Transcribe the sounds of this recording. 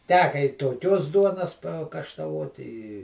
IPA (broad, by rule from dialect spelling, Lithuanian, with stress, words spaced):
ˈtʲæːkɐ ɪ toːˈkʲoːs ˈduɔnɐs pɐkɐʃtɐˈʋoːt ɪ ɪ